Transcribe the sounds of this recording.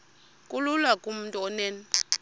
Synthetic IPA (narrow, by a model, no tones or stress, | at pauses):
kʼululakʼum̩ntʼuɔnɛːn